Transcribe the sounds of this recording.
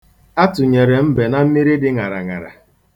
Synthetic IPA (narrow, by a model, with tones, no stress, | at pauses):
a˦tʊ˨ɲe˨ɾe˨m̩˦be˨na˦m̩˦mi˦ɾi˦dɪ˦ŋa˨ɾa̰˨ŋa̰˨ɾa̰˨